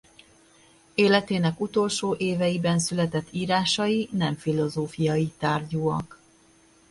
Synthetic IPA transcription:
eːlɛt̪eːnɛkut̪o̞lʃoːʔeːvɛjibɛnsylɛt̪ɛt̪ːiːɾaːʃɒjinɛɱfilo̞zoːfijɒjit̪aːrɟoːɒk

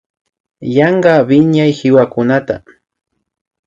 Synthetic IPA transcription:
jɑɴɢɑbɪɲajhɪwakʊnat̪a̰

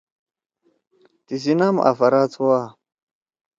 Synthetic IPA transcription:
t̪is̬inama̰fɐɾat͡sʰuwa

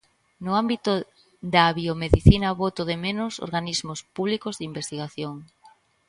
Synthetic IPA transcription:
nʊambit̪ʊ | ðaβiomeðiθinɐβot̪ʊðɪmenʊso̰ɾɣanizmʊspuβlikʊzðimbest̪iɣaθjoŋ

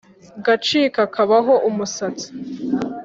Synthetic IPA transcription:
ɡat͡ʃiːkakʰaβaɦo̞ʔumusat͡si̥

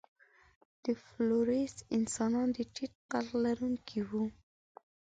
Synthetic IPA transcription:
d̪̥əfloɾesɪnsɑnɑnd̪əʈit̪̚qallaɾuŋkʰiwu

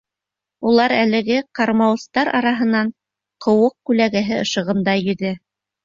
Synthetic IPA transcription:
ulˠɑɾælɘ̆ɡɘqɑɾmɑwɤ̆st̪ɑɾɑ̰ɾɑɦɤ̆nɑɴ | qʰŏwɤq̚kʉlæɡæɦɘɤ̆ʃɤ̆ʁɤ̆md̪ɑjɵ̆ðɘ

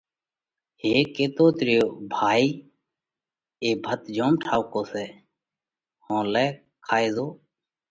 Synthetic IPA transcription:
ɦeːkeːt̪oːt̪ɾɪjoːbʱaːiː | eːbʱət̪d͡ʒoːmʈʰaːʊkoːsɛː | hõːlɛː | kʰaːeːzoː

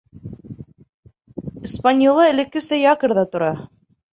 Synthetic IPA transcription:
ispanʲjolˠɤɘ̆lɘ̆kːɘsæjɑkɤ̆ɾðɑt̪ŏɾɑ

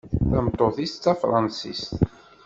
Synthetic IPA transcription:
θæmt̪ˤːoθist̪ːæfɾˤɑnsḭst̪

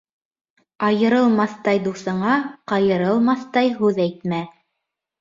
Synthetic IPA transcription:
ɑjɤ̆ɾɤlˠmɑθt̪ɑjd̪usɤ̆ɴɑqɑjɤ̆ɾɤlˠmɑθt̪ɑjɦʉðæjt̪mæ

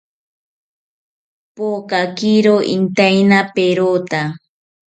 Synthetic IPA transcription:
pokakiɾoʔḭnt̪ajnapeɾot̪a

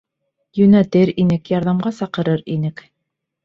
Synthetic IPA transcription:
jɵ̆næt̪ɘɾinɘkjɑɾðɑmɢɑsɑqɤ̆ɾɤɾinɘk

